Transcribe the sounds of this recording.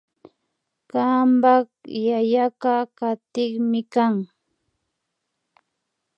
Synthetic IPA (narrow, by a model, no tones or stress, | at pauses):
kambakjajakakat̪ɪχmɪkaŋ